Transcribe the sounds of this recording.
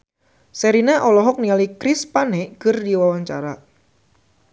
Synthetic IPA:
sɛɾineʔɔlɔɦɔk̚nialikɾispanekərdiwawaɲt͡ʃaɾa

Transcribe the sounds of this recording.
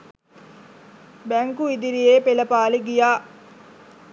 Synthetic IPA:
bɛŋkuid̪iɾijeːpeləpaːleɡijaː

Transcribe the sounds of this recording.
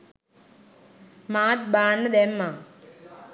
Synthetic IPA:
maːt̪̚baːɳːɐd̪emːa

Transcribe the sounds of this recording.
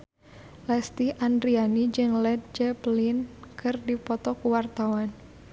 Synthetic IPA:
lɛst̪iʔandɾianid͡ʒɨŋlɛd̪̚d͡ʒɛplinkɨrdipɔt̪ɔkuwart̪awan

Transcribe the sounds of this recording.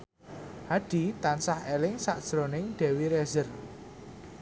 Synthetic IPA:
haɖ̥i̤t̪ansahelɪŋsaʔd̥ʒ̥ɾonɪŋɖ̥ɛ̤wiɾɛzər

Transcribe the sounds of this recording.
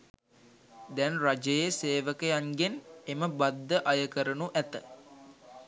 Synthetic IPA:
d̪ɛnrad͡ʒəjeseːʋəkəjaŋɡeneməbad̪ːəʔajəkəɾənuʔæt̪ə

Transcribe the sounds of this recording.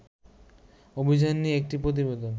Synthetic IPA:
obʱid͡ʑanːiek̚ʈipɾot̪̬ibed̪on

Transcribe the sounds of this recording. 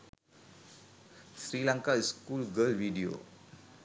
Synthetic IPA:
sɾilãŋkaiskulɡəlwiɖio̰

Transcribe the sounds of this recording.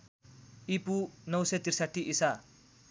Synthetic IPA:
ipunʌwsʌjt̪iɾsaʈʰːiʔisa

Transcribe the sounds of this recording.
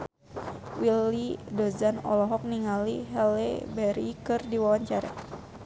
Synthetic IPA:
wilidozanɔ̰lɔɦɔk̚niŋaliɦɛlebɛɾikɨrdiwawaɲt͡ʃaɾa̰

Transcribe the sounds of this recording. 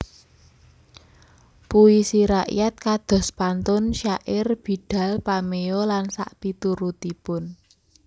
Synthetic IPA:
puisiɾaʔjat̪̚kad̪̥ɔ̤spant̪ʊnʃaʔɪrb̥i̤ɖ̪̥ä̤lpameɔlansa̰ʔpit̪uɾut̪ipʊn

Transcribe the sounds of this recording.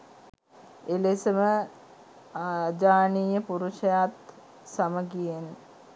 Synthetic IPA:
elesəmə | ad͡ʒaːniːjəpuɾuʃɐjat̪ | saməkijen

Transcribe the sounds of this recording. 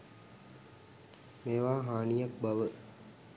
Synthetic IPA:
meːʋaːɦaːnijak̚baʋə

